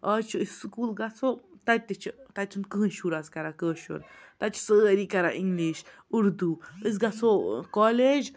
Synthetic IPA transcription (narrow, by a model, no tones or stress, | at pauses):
ʔat͡ʃuisskulɡasot̪at̪it͡ʃət̪at͡ʃənkənʃuɾaskaɾakəʃṵɾt̪at͡ʃsəɾikaɾaʔiŋɡliʃ | uɾd̪uis̬ɡasokoleʒ